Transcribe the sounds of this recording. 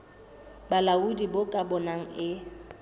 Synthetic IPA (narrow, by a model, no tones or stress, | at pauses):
balaudibokʼabɔnaŋ̩ɪ